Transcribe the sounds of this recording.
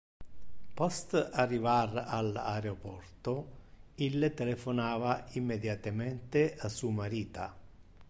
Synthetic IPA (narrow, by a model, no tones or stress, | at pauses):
pɔst̪arːivarala̰ɾeopɔrt̪oilːt̪elefonaːvaimːed̪jat̪amɛnt̪easuamaɾiːt̪a